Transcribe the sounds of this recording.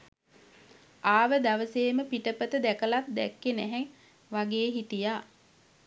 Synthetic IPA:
aːʋəd̪aʋəseːməpiʈəpət̪əd̪ækəlat̪̚d̪ɛ̰kːenæɦɛŋ | ʋaɡeːɦit̪ijaː

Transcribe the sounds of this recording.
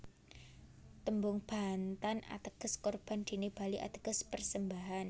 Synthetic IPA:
t̪əmbʊŋb̥a̤nt̪ana̰t̪əɡ̥ə̤skɔrb̥and̪̥i̤nib̥aliʔa̰t̪ə̥ɡ̥ə̤spərsəmbaɦan

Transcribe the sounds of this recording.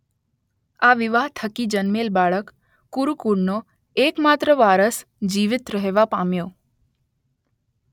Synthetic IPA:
aʋɪʋaɦt̪ʰəkid͡ʒənmelbaɭəkː | uɾukuɽno | ekmat̪ɾəʋaɾəs | d͡ʒiʋɪt̪ɾəɦeʋapamjo

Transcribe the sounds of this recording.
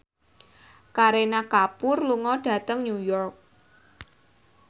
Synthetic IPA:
kaɾenakapʊrluŋɔɖ̥ä̤t̪əŋɲujɔrk̚

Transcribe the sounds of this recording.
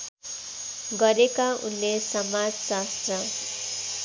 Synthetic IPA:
ɡʌɾekaunːesʌmad͡zsast̪rʌ

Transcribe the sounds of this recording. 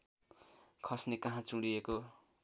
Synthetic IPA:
kʰʌsnekaɦãt͡suɽieko

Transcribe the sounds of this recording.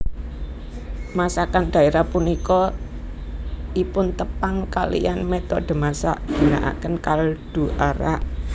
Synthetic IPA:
masakand̪̥a̤eɾapunikɔ | ʔipʊnt̪əpaŋkalḭjanmɛt̪ɔʔd̪̥ə̤masa̰ʔd̥i̤na̰ʔa̰kənkald̪̥ṳʔaɾaʔ

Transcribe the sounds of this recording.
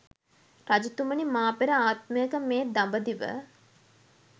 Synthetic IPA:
rad͡ʒut̪umənimaːpeɾəaːt̪̚məjəkəmeːd̪ambəd̪iʋə̰

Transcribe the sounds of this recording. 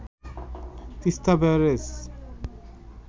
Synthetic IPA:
t̪ist̪abeɾes

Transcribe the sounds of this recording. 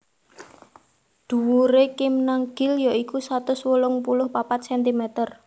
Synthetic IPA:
d̪̥ṳwuɾekɪmnaŋɡ̥ɪljaʔikusat̪ʊswolʊŋpulʊhpapat̪̚sɛnt̪imɛt̪ər

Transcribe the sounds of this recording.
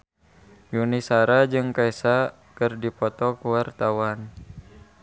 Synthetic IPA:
junisaɾad͡ʒɨŋkaɛsa | kɨrdipɔt̪ɔkuwart̪awan

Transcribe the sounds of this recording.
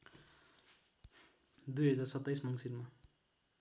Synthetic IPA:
d̪ujɦʌd͡zarsʌt̪ːajsmʌŋsirma

